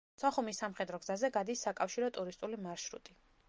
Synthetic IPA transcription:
sɔχumisːamχɛd̪ɾɔɡzazɛɡad̪isːakʼafʃiɾɔt̪ʼuɾist̪ʼulimaɾʃɾṵt̪ʼi

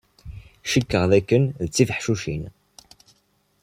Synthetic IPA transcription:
ʃəkːəʁðækːənðət͡sːifəħʃuʃḭn

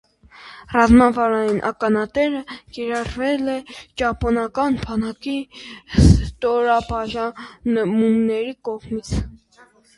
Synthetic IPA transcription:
rɑzmɑvɑɾɑjinʔɑ̰kɑnɑt̪ɛɾəkiɾɑrvɛlɛt͡ʃɑpɔnɑkɑnbɑnɑkist̪ɔɾɑbɑʒɑnmumnɛɾikɔʁmit͡sʰ

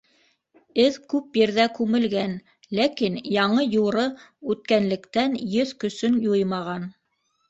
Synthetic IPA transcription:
ɘðkʉpjɘ̆ɾðækʉmɘ̆lɡæn | lækinjɑɴɤjuɾɤʉt̪̚kænlɘ̆kt̪ænjɵðkɵ̆sɵnjujmɑʁɑn

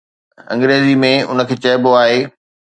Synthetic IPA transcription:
ɐ̰̃ŋɡɾeːzimẽʊ̰nə̆kʰeːt͡ɕɐɦboaːɦeː

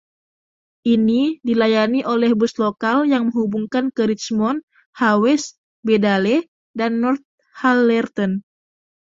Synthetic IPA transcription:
ʔinidilajaniʔolɛhbuslokaljaŋməŋubuŋkankəɾit͡ʃmɔn | hawɛs | bedalɛ | danːɔrt̪̚ | halːɛrt̪ɔn

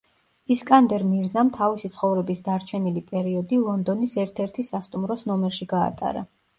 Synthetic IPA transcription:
iskʼand̪ɛɾmiɾzamt̪ʰavisit̪sʰχɔvɾɛbisd̪aɾt͡ʃʰɛnilipʼɛɾiɔd̪ilˠɔnd̪ɔnisɛɾt̪ʰɛɾt̪ʰisast̪ʼumɾɔsnɔmɛɾʃiɡa̰ːt̪ʼa̰ɾa̰

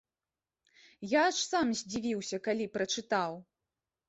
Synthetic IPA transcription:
jaʂsamzʲd͡zʲivʲiwsʲɐkalʲipɾɐt͡ʂɨt̪aw

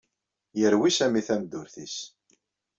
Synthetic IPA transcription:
jəɾwisæmiθæmd̪ʊɾθḭs

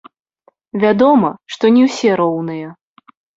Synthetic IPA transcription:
vʲad̪ɔmɐʂt̪ɔnʲiwsʲɛɾɔwnɨjɐ

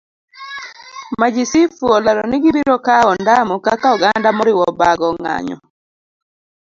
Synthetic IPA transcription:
mad͡ʒisifuɔlaɾɔnɪɡɪbiɾɔkaɔndamɔkakaɔɡandamɔɾɪwɔbaɡɔŋa̰ɲɔ̰

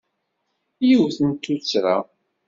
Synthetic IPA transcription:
juwθənt̪ːut͡sːɾa̰

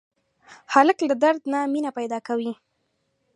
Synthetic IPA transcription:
haləklad̪aɾd̪naminapajd̪ɑkawi

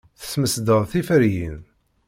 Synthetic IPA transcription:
θə̥sməsd̪əðˤθifəɾjin

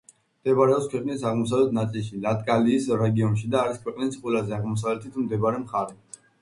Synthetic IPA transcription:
md̪̥ɛbaɾɛɔpskʰwɛqʼnisaʁmɔsavlɛt̪ʰnat̪sʼilʃilat̪ʼkʼaliːsɾɛɡiɔnʃid̪aːɾiskʰwɛqʼnisqʼwɛlazɛaʁmɔs̬avlɛt̪ʰit̪ʰmd̪ɛbaɾɛmχaɾɛ

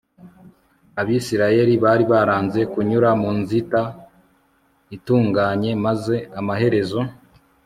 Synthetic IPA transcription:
aβisiɾaje̞ɾiβaːɾiβaɾaːnze̞kuɲuɾamuːnzita | ituːŋɡaːɲe̞maze̞amaɦe̞ɾe̞zo̞

